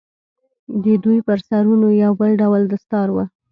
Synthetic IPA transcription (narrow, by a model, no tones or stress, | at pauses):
d̪əd̪ujpəɾsaɾunojawbəlɖawld̪əst̪ɑɾwə